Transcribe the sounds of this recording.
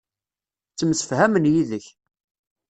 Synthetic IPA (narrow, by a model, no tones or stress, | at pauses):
t͡sːəmsə̥fhæmənjiðəç